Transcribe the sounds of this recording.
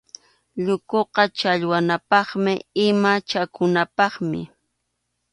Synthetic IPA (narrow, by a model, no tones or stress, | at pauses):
ʎʊkoqɑt͡ʃaʎwanapɑχmɪɪmat͡ʃakʊnapɑχmɪ̰